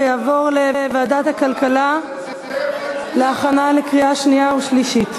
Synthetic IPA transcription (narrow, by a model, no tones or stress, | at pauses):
jaːvo̞ʁlevaaːdathakalkala | leaχanalekʁiaʃniauʃliʃit